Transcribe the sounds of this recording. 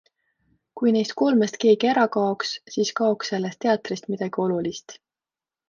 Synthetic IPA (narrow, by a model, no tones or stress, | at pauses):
kujne̞jst̪̚ko̞lmest̪ke̞ːɡ̥ieɾɑkɑokssiːskɑo̞ksːe̞lːest̪e̞ɑt̪rist̪mid̪̥ɑɡ̥io̞lulist̪